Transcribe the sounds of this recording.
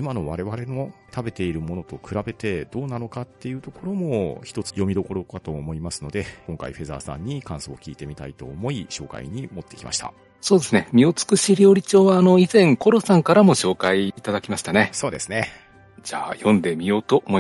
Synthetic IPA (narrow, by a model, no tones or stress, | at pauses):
imano̞βaɾe̞βaɾe̞no̞t̪abe̞t̪e̞iɾɯ̟mo̞no̞t̪o̞kɯ̟ɾabe̞t̪e̞d̪̥o̞ːnano̞kat̪ːe̞jɯ̟t̪o̞ko̞ɾo̞mo̞çi̥t̪o̞t͡sɨ̥jo̞mʲid̪o̞ko̞ɾo̞kat̪o̞ːmo̞imasɨ̥no̞d̪e̞kõ̞ŋka̰ḭɸe̞za̰ːsã̰ɲ̟ːikãɰ̃so̞̰ːkʲiːt̪e̞mʲit̪a̰it̪o̞̰ːmo̞iɕo̞ːka̰ḭɲ̟imo̞t̪ːe̞kʲi̥ma̰ɕi̥t̪a̰ | so̞ːd̪e̞sɨnemʲio̞t͡sɨ̥kɯ̟ɕiɾʲo̞ːɾʲit͡ɕo̞ːβaːno̞izẽ̞ŋko̞ɾo̞sãŋkaɾamo̞ɕo̞ːkaiːt̪ad̪akʲimaɕi̥t̪ane̞so̞ːd̪e̞sɨne̞ | d͡ʑaːjõ̞nd̪e̞mʲijo̞ːt̪oʔmo